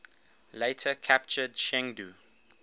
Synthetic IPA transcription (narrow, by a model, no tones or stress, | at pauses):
leɪtʰəkʰæp̚t͡ʃədʃɛ̃ŋdu